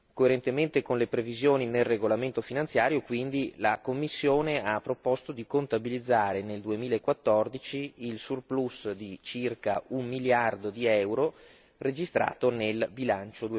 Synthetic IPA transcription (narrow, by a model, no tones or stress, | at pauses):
koeɾent̪ement̪ekonlepɾevizjoːninelreɡolament̪ofinant̪sjaːɾjokwind̪ilakomːisːjoːneapːɾopɔst̪od̪ikont̪abilid̪zːaːɾeneld̪uemiːlaekːwat̪ːɔrd̪it͡ʃiːlsurplusd̪it͡ʃirkaummiljard̪od̪iɛwɾo | red͡ʒist̪ɾa̰ːt̪onelbilant͡ʃod̪ue